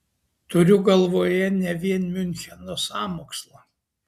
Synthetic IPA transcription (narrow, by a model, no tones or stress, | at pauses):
t̪ʊɾʲʊɡɐlˠʋoːjɛnʲɛʋʲiɛnmʲʏnʲxʲɛnoːsɑːmoːkslˠoː